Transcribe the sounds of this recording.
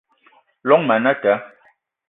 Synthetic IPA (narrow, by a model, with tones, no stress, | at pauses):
lɔ˨˦ŋmɛ˨nɛ˦tɛ˨˦